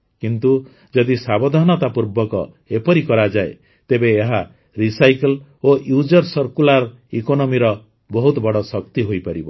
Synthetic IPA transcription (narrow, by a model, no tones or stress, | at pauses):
kint̪u | d͡ʒɔd̪isabɔd̪ʱanɔt̪apuɾbɔkɔ | epɔɾikɔɾad͡ʒaḛ | t̪ebeːɦa | ɾisajkɔlojud͡ʒɔɾsɔɾkulaɾ | ikonɔmiɾɔ | bɔɦut̪ɔbɔɽɔsɔkt̪iɦojpaɾibɔ